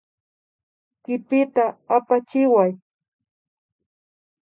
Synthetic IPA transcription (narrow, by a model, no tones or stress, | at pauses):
kɪpɪt̪aapat͡ʃɪwaj